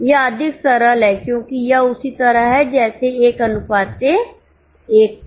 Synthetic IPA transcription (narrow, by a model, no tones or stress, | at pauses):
jeəd̪ʱɪksɐɾəlɦɛkjõːkijɐʊsit̪əɾəɦɦɛd͡ʒɛːseeːkɐnʊpaːt̪e | eːk̚